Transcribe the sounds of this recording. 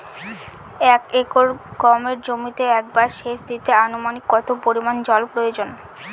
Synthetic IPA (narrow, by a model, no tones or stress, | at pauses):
ɛkekoɾɡɔmeɾd͡ʑomit̪eɛk̚baɾʃeʃd̪it̪eanomanikːɔt̪opoɾimand͡ʑɔlpɾojod͡ʑon